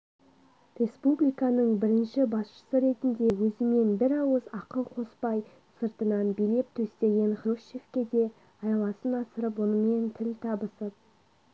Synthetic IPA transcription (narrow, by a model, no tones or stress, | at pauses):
rʲe̞spublʲijkɑnəɴbɪɾɪnʃɪbɑsʃə̥səɾe̞t̪ɪnd̪e̞wɵzɪme̞nbɪɾɑwəzɑqəlˠqʰo̞spɑj | səɾt̪ənɑnbijle̞p̚t̪ʰɵst̪e̞ɡʲe̞nχɾuʃefkʲe̞d̪e̞ | ɑjɑlˠɑsənɑsəɾəp̬wonəme̞nt̪ʰɪlʲt̪ʰɑbəsəp̚